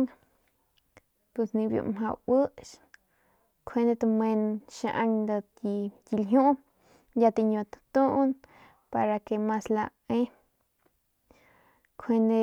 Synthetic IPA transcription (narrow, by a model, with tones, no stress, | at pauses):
ŋ | pwe˧snĩ˧bjṵ˧˨mɦa˧wə˦ʃ | kʰe˧nd̪e˧t̪a˧me˧nʃa˧ʔa˧ŋd̪a˧ | i˧t̪i˧lɦũ˦ | ja˧t̪i˧ɲo˧t̪t̪u˦ʔn | pa˧ɾa˧ke˧ma˧sla˧ | ẽ˦ | kʰwe˧nd̪e˧